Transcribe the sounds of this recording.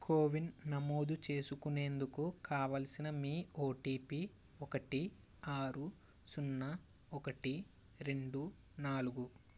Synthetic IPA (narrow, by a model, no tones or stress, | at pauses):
kʰoːʋinnɐmo̞ːd̪ut͡ʃe̞ːsukune̞ːnd̪ukukaːʋɐlɐsinɐmiːoːʈiːpi | ɔkɐʈi | aːɾu | sunːɐ | ɔkɐʈi | ɾe̞ɳɖu | naːluɡu